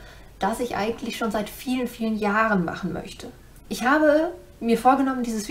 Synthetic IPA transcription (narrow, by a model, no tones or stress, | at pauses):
d̥asɪçʔa̰ɪɡŋ̩tlɪçʃoːnzaɪtfiːlənfiːlənjaːʁənma̰χn̩mœ̰çtʰə | ʔɪçhaːbə | miːɐfoːɐɡənɔməndiːzəsv